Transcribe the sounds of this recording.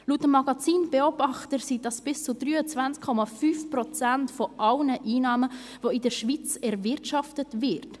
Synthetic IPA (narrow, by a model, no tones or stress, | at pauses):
lutəmːɑɡɑt͡siːnb̥ɛɔbɑχtəɾsid̥ɑsb̥ɪst͡sudɾyːət͡svænt͡skʰːɔmɑfyːfprɔt͡sæntfɔʔɑlnəʔiːnɑːmə | voɪdəɾʃʋit͡sɛɾvɪɾtʃɑftətvɪɾt